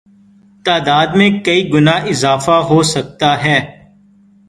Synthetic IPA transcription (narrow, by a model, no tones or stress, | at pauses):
t̪aːd̪aːd̪mẽkɐiɡʊnaːɪzaːfaɦoːsɐk̚t̪aɦɛː